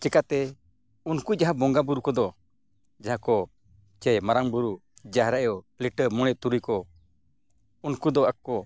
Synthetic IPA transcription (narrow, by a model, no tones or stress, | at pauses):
t͡ʃɛkat̪ɛ | unkud͡ʒaɦabɔŋɡabuɾukɔd̪ɔ | d͡ʒaɦakɔ | t͡ʃɛjmaɾaŋbuɾud͡ʒaɦɾaʔjɔ | liʈəmɔɽ̃ɛt̪uɾujkɔ | unkud̪ɔakkːɔ